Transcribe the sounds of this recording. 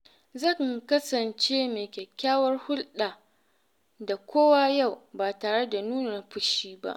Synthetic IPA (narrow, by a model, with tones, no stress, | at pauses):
zɐ˦˨ŋkɐ˦sɐ˨nt͡ʃe˦meː˨kʲɛ˨kʲːaː˦wɐ˦rhʊ˦lɗaː˨ | da˨kʷoː˦wa˦ja˦˨wbaː˨taː˨ɽe˦da˨nuː˦na˨ɸʊ˦ʃiː˦ba̰˦ʔ